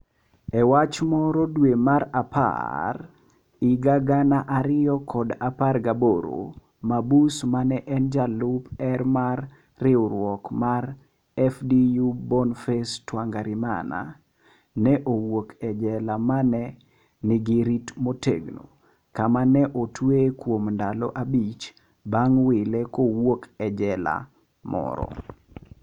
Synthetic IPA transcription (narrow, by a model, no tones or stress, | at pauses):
ɛwat͡ʃmɔɾɔdwemaɾapa̰r | ɪɡaɡanaʔaɾɪjɔkʰɔdaparɡaboɾo̰ | mabusmanɛʔɛnd͡ʒalupɛrmarː | ɪʊɾwɔkmar | ɛfdijubɔnfɛstwaŋɡaɾɪma̰na̰ | nɛʔowokʰɛd͡ʒɛlamanɛ | nɪɡiɾitmotḛɡno̰ | kamanɛʔotwekwomndalɔ̰ʔabit͡ʃ | baŋwɪlɛkowokɛd͡ʒɛla̰ | mɔ̰ɾɔ̰